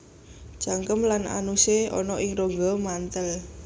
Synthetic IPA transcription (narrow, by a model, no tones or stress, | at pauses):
d͡ʒ̥aŋkəmlana̰nuseɔ̰nɔʔɪŋroŋɡɔmant̪əl